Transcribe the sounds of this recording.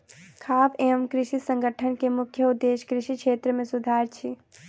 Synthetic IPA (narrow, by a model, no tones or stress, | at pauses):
kʰaːpemkɾɪʃisə̃ŋɡʱəʈʰənkemʊkʰjəud̪ːeːʃkɾɪʃikʃeːt̪ɾəmẽsud̪ʱaːɾt͡ʃʰi